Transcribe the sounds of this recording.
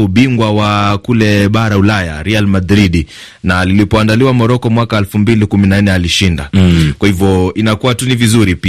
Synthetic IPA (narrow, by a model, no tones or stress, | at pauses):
uɓiŋɡwawakulɛɓaɾaulaja̰ɾɛalmadɾiɗi | nalilipɔandaliwamɔɾɔkɔmwakaɛlfumbilikuminan̩ɛaliʃinda̰kwahivjɔinakuwatunivizuɾipi